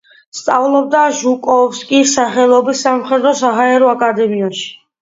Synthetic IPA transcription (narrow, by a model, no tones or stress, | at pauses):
st̪sʼavlˠɔb̚d̪aʒukʼɔvskʼisaχɛlˠɔbisːamχɛd̪ɾɔsaɦaɛɾɔakʼad̪ɛmiaʃi̥